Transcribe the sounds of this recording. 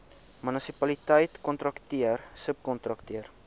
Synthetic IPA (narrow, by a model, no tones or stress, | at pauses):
mynəsipɐlitəjtkɔntɾɐktiərsəp̚kɔntɾɐktiər